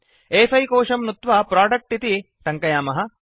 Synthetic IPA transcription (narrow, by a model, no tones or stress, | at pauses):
eːsɐjkoːʂɐmnut̪ʋɐpɾaːɖɐk̚ʈit̪i | t̪ɐŋkɐjaːmɐɦɐ